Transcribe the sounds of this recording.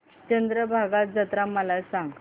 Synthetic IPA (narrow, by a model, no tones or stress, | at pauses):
t͡ɕənd̪ɾəbʱaɡat̪̚d͡zət̪ɾaməlasãŋɡ